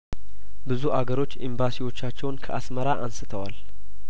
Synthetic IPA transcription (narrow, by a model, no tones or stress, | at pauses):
bɨzuʔaɡəɾo̞t͡ʃːḭmbasiwo̞t͡ʃːat͡ʃːɛwnkʰəʔasməɾaʔansɨt̪ʰəwal